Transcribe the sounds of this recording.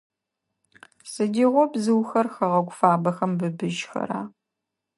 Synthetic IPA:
sɨdiːʁʷɔbzɨwxɐrxɐʁɐɡʷfaːbɐxɐmbɨbɨʒxɐ̰ɾaː

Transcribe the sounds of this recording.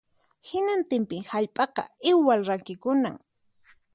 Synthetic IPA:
hɪnant̪ɪmpɪŋhaʎpʼɑqɑ̰ɪwːalɾakɪkʊna̰ŋ

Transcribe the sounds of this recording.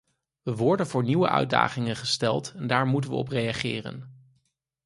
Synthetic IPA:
ʋəʋɔɹdənvʊːɹniʋə̰ʔœ̰ɥda̰ːχɪŋənχəstɛlˠtɛndaːɹmutənʋə̰ɔ̰prejaχɪːrə̰n

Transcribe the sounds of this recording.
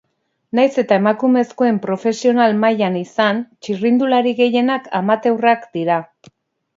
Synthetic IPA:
najse̞t̪ae̞makume̞sko̞e̞mpɾo̞fe̞sio̞nalmajanisant͡ʃirind̪ulaɾiɣe̞je̞nakʰamat̪ewrakd̪iɾa

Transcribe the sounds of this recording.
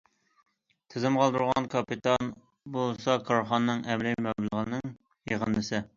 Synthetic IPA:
t̪ʰɪzɪmqʰɑlˠd̪uɾʁɑ̰nkʰɑpit̪ʰɑn | bolˠsɑkʰɑɾχɑnnɨŋɛmlɪmɛlˠəʁənɨŋ | jeʁənːɨsɨ

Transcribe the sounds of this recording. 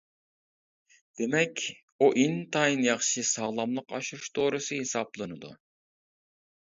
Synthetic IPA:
d̪̥emɛkʲ | uʔint̪ʰɑjnjɑχʃɨsɑlˠɑmlˠəqɑʃuɾuʃt̪ʰoːɾɨsɨhesɑplˠɨnɨd̪ṵ

